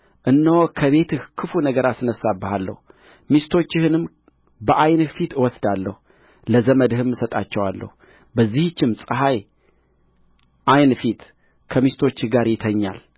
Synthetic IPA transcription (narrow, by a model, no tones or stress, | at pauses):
ʔɨnːəwɔkʰəβe̞t̪ʰɨhkʰɨfunəɡəɾasɨnəsːabːɨhalːə̰hu | mist̪ʰo̞t͡ʃːɪhɨnɨm | bəʔajnfit̪ɨwɔsd̪alːə̰hu | ləzəməd̪hɨmːɨsət̪ʼat͡ʃːɛwalːə̰hu | bəzːihɨt͡ʃːɪmsʼɨɦaj | ʔajnfit̪ | kʰəmist̪ʰo̞t͡ʃːɪhɡaɾjɪt̪ʰəɲːa̰l